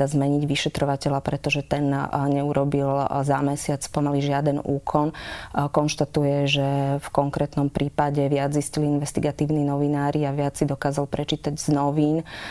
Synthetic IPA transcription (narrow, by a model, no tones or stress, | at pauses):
azmɛɲiɟʋiʃɛt̪ɾɔʋacɛlapɾɛt̪ɔʒɛt̪ɛnɲɛuɾɔbilzamɛsɪat͡spɔmaliʒɪad̪ɛnuːkʰɔnkɔnʃt̪at̪ujɛʒɛfkɔŋkɾɛt̪nɔmpɾʔiːpaɟɛʋɪad͡zisciliinʋɛst̪iɡat̪iːʊninɔʋinaːɾiaʋɪat͡sːid̪ɔkaːzalpɾɛt͡ʃiːt̪aɟz̥nɔʋiːn